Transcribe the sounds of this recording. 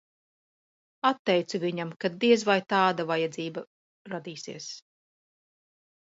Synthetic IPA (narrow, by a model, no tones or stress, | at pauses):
at̪ːɛjt̪suviɲamkad̪iɛzvajt̪aːd̪avajɛd̪ziːba | ɾad̪iːsiɛs